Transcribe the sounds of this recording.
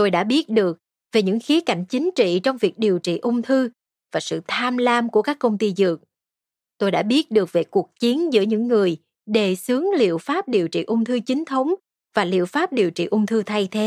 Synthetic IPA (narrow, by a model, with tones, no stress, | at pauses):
t̪o˧jɗa̰ː˧˥ɓi˦˥ət̚ɗɨ˨˩ək̚ | ve˨˩ɲɨ̰˧˥ŋxi˨˦əka̰˧˩jŋ̟t͡ɕï˨˦ŋ̟t͡ɕḭ˧˨t͡ɕɔ˧wŋ͡mvi˨˩ək̚ɗi˨˩əwt͡ɕḭ˧˨ʔʊ˧wŋ͡mt̪ʰɨ˧ | vaː˨˩sɨ̰˧˨t̪ʰaː˧mlaː˧mku˧˩əkaː˦˥kːə˧wŋ͡mt̪i˧zɨ˨˩ək̚ | t̪o˧jɗa̰ː˧˥ɓi˦˥ət̚ɗɨ˨˩ək̚ve˨˩ku˨˩ək̚t͡ɕi˨˦ənzɨ̰˧˥əɲɨ̰˧˥ŋːɨ˨˩əj | ɗe˨˩sɨ˨˦əŋlḭ˧˨əwfaː˦˥p̚ɗi˨˩əwt͡ɕḭ˧˨ʔʊ˧wŋ͡mt̪ʰɨ˧t͡ɕï˨˦ŋ̟t̪ʰə˨˦wŋ͡m | vaː˨˩lḭ˧˨əwfaː˦˥p̚ɗi˨˩əwt͡ɕḭ˧˨ʔʊ˧wŋ͡mt̪ʰɨ˧t̪ʰa˧jt̪ʰe˨˦